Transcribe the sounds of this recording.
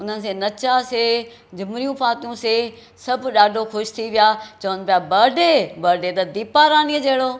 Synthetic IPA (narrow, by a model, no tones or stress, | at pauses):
ʊn̤ənɪ̆s̬ẽnɐt͡ʃaseː | d͡ʑɪmɾijũpaːt̪ijũseː | sɐbɗaːɖʱoxʊʃt̪ʰiʋɪjaːt͡ɕɐʋənpijabɐːɖebɐɾɖet̪ɐd̪iːpaːɾaːnied͡ʑeːɽoː